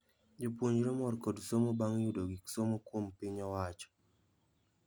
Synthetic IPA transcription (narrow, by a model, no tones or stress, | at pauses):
d͡ʒopwoɲd͡ʒɾomɔɾkodsomobaŋjudoɡiksomokwompɪɲɔwat͡ʃɔ̥